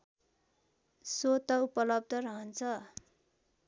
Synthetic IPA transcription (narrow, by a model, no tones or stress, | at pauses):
sot̪ʌupʌlʌb̚d̪ʱʌɾʌɦʌnt͡sʰʌ